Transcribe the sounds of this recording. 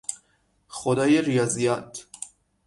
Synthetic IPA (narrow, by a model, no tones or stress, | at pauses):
xod̪ɒːjeɾijɒːzijɒt̪ʰ